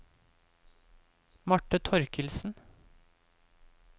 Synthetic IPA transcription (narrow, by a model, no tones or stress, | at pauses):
mɑʈːət̪ʰɔɾkəlsn̩